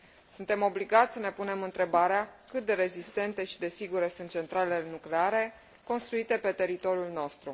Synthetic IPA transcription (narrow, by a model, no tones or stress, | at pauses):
sunt̪e̞mo̞bliɡat̪sʲsəne̞pune̞mɨnt̪ɾe̞baɾeakɨt̪̚d̪e̞ɾe̞zist̪e̞nt̪e̞ʃi̥d̪e̞siɡuɾesunt̪̚t͡ʃe̞nt̪ɾalelnukle̞aɾe̞ | ko̞nst̪ɾuit̪e̞pe̞t̪e̞ɾit̪o̞ɾijulno̞st̪ɾu